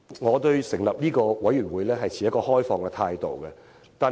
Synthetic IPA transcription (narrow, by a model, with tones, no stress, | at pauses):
ŋɔː˨˧t̪ɵ˧ɥsɪ˨˩ŋlɐ˨p̚niː˥kɔː˧wɐ˨˥jyː˨˩nwuː˨˧jlɛː˥ɦɐ˨jt͡sʰiː˨˩jɐ˥t̚kɔː˧ɦɔː˥jfɔː˨ŋkɛ˧t̪ʰaː˧jt̪o̰˨˩wkɛ˧ | t̪aː˨